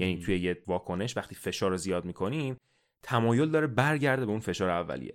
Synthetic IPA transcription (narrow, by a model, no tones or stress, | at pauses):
jæniːt̪ʰuje̞jevɒːkʰo̞ne̞ʃvæχt̪ʰiːfe̞ʃɒːɾozijɒːd̪̚miːkʰo̞niːm | t̪ʰæmɒːjo̞ld̪ɒːɾebæɾɟæɾd̪e̞beunfe̞ʃɒːɾeævːæ̰lḭjḛ